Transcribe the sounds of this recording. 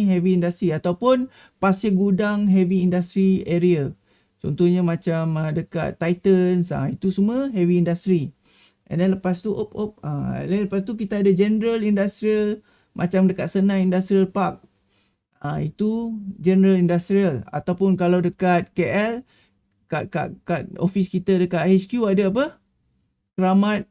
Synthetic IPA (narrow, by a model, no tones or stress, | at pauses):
ɦɛviːndast̪ɾiat̪awpʊn | pasɪɡudaŋɦɛviːndast̪ɾieɾia | t͡ʃɔ̰nt̪ɔhɲamãt͡ʃamədəka̰t̪ːajt̪ənsa̰it̪usuməɦɛviːndast̪ɾi | ʔɛ̰ndɛnləpast̪uʔop̚op̚a̰dɛnləpast̪uk̬it̪aːdad͡ʒɛnəɾəlindast̪ɾiəl | mʔa̰t͡ʃamdəkat̪̚sənãŋindast̪ɾiəlpak̚ | ãit̪ud͡ʒɛnəɾəlindast̪ɾiəla̰t̪awpʊnkalawdəkat̪̚keʔɛl | ka̰ka̰ʔkat̪̚o̰fiskit̪adəkat̪̚het͡ʃkjuadaap̬ə | səɾamat̪̚